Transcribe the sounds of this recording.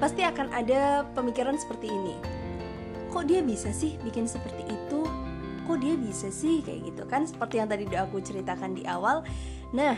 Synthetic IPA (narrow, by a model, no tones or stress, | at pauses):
past̪iakanʔadapəmikiɾansə̥pərt̪iːnḭ | kɔʔdiabisasɪhbikɪnsəpərt̪iʔːt̪u | kɔʔdiabisasɪhka̰ja̰ɡit̪ṵkansə̥pərt̪ijaŋt̪adidaakut͡ʃəɾit̪akandiʔawal | nah